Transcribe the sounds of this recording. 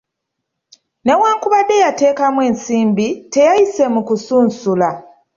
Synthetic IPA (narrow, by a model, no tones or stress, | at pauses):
ne̞waːŋkuβadːe̞jate̞ːkamwe̞ːnsiːmbite̞jajise̞mukusuːnsula